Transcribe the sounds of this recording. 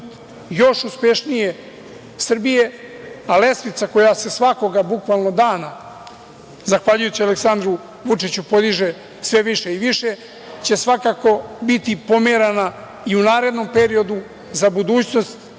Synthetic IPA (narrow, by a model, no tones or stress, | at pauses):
jo̞ʃuspe̞ʃnije̞ | sr̩bije̞ale̞smit̪sako̞jase̞sʋako̞ɡabukʋalno̞d̪aːna | zaxʋaːʎujut͡ɕialeksand̪ɾu | ʋut͡ʂit͡ɕupo̞d̪iʒe̞ | sʋeʋiʃe̞iʋiʃe̞ | t͡ɕe̞sʋakako̞bit̪ipo̞meɾana | iunaːɾe̞d̪no̞mpe̞ɾio̞d̪u | zabud̪uːt͡ɕno̞st̪